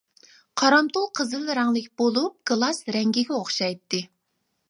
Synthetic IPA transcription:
qʰɑɾɑmt̪olˠqʰəzɨlɾɑŋlˠɪkʲbolˠup̚ɡ̥ɨlˠɑsɾɛŋɡʲiɡʲɛoχʃɑjt̪ːɨ

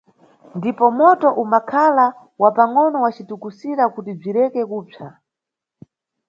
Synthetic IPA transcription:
ndipɔmɔtɔʔumakʰala | wapaŋɔnɔwat͡ʃitukusiɾakutib͡ʐiɾɛkɛkuːb͡ʐa

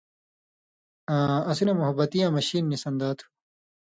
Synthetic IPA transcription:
ãɐsinɐmuɦɐbːɐt̪ijãːmɐɕiːnːisɐnd̪aːt̪ʰu̥

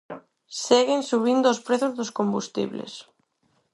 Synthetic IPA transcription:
seɣɪnsuβ̞ind̪ʊʊspɾeθʊzðʊskombust̪ḭβlḛs

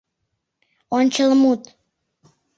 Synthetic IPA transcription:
ɔnt͡ʃəlmut̪

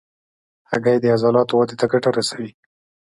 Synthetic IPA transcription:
haɡajed̪əazɑlɑt̪owɑd̪et̪aɡaʈaɾasawi

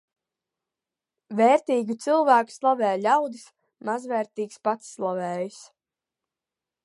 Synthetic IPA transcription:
vɛːɾt̪iːɡit̪silˠvæːku̥slˠavɛːjlʲawd̪ɨs | mazvɛːɾt̪iːkspat̪sːlˠavɛːjis

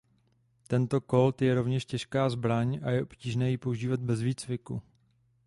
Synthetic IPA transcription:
t̪ɛnt̪o̞ko̞lt̪jɛɾo̞vɲɛʃcɛʃkaːzbɾaɲʔajɛʔopciːʒnɛːjipo̞uʒiːvat̪̚bɛzviːt͡svɪku

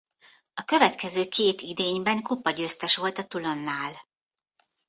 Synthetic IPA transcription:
ɒkø̞vɛt̪kɛzøːkʰeːt̪id̪eːɲbɛŋkupːɒɟøːst̪ɛʃʋo̞lt̪ɒt̪ulo̞nːaːl

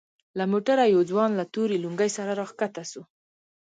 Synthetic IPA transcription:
lamoʈaɾajawd͡zwɑnlat̪uɾiluŋɡajsaɾaɾɑxkat̪asu

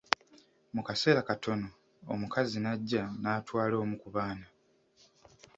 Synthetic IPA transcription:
mukase̞ːɾakatʰo̞no̞ | o̰mukazinaɟːanaːtwaːlo̞ːmukuβaːna

